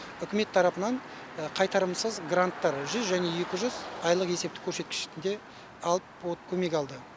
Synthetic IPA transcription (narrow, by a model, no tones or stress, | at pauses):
ʏkʲɪme̞t̪ʰːɑɾɑpənɑɴ | qʰɑjt̪ɑɾəmsəzɡrant̪ːɑɾʒʏzʒæne̞je̞kʲɪʒʏzɑjlˠəqe̞se̞p̚t̪ɪ̥kʲʰɵɾse̞t̪̚kʲɪ̥ʃɪ̥t̪ɪnd̪e̞ | ɑlˠəp̚wot̪kʲʰɵme̞k̬ʲɑlˠd̪ə